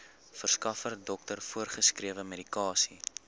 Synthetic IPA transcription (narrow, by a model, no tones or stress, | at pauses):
fərskɐfərdɔk̚tərfuərχəskriəvəmeɾikɑːsi